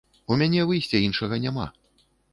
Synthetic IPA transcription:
umʲanʲɛvɨjsʲt͡sʲɛinʂɐɣɐnʲama̰

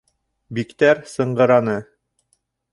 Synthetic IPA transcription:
bikt̪æɾsɤ̆ɴɢɤ̆ɾɑnɤ

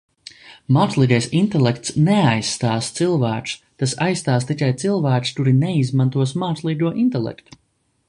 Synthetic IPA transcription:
maːslˠiːɡɛjsint̪ɛlˠekt̪snɛajsːt̪aːst̪silˠvæːku̥st̪asajsːt̪aːs̬t̪ikʲajt̪silˠvæːkst̪uɾinɛizmant̪uɔsmaːslˠiːɡuɔʔint̪ɛlˠɛ̰kt̪u̥

